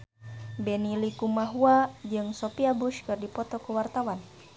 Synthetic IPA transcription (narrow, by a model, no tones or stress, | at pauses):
bɛnilikumaɦuad͡ʒɨŋsɔpiabuʃkɨrdipɔt̪ɔkuwart̪awan